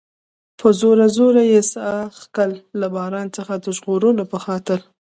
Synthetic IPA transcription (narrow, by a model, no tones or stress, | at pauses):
pʰəzoɾazoɾajesaxkəlːabɑɾɑnt͡səxad̪əʒɣoɾəlopəxɑt̪ɪl